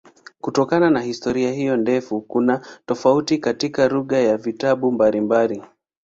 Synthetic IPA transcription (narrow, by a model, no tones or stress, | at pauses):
kutɔkananahistɔɾiahijɔndɛfukunatɔfautikatikaɾuɠajavitaɓumbalimbali